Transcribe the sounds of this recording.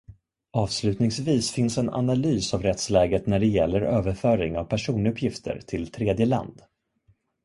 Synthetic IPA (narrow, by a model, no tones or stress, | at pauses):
ʔɑːvslʉ̟ːt̪nɪŋsviːsfɪnsɛna̰nalyːsavɾɛt̪slɛːɡət̪næɖɛjɛlːəɾøːvəɾfœːɾɪŋavpʰæʂuːnɵpʰːjɪft̪ʰə̰ɾt̪ʰɪlt̪ʰɾeːd̪jəla̰nd̪